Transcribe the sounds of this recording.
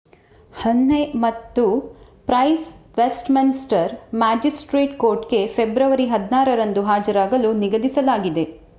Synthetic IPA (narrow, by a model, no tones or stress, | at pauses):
hɐnːe̞mɐt̪ːu | pɾɐjsʋesʈminisʈɐɾmaːd͡ʒisʈɾeːʈko̞ːɾʈɡe̞fʰebɾɐʋɐɾiɦɐd̪naːɾɐɾɐnd̪uɦaːd͡ʒɐɾaːɡɐluniɡɐd̪isɐlaːɡid̪e̞